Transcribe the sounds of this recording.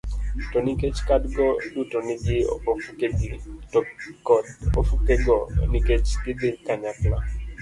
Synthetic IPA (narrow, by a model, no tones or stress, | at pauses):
toniket͡ʃkadɡɔdutɔnɪɡɪo̰keɡ | ko̰fukeɡɔ̰niket͡ʃkɪd̪ekaɲapla